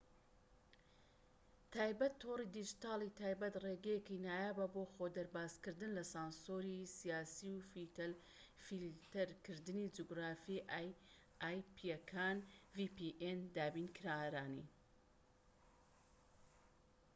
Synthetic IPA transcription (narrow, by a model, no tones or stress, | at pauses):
t̪ʰaːjbɐt̪ʰːoːrid̪id͡ʒit̪ɑːlˠit̪ʰaːjbɐt̪reːɡɛjekinaːjaːbɐboxod̪ɐɾbaːskɨɾd̪ɨnlɐsaːnsoːɾisijaːsiwfit̪ɐl | filt̪ɐɾkɨɾd̪ɨnid͡ʒuɡɾaːfi | aːjpiɛkʰaːnvipiʔend̪aːbiːnkʰɨɾaɾaːnḭ